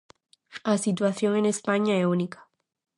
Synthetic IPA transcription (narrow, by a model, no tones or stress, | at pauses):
asit̪̬waθjoŋenespaɲaeunikʰḁ